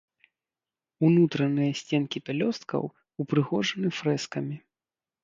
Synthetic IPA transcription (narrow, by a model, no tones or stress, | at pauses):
unut̪ɾɐnɨjɐsʲt͡sʲɛnkʲipʲɛlʲɔst̪̚kʰɐ̰w | upɾɨɣɔʐɐnɨfɾɛskɐmʲi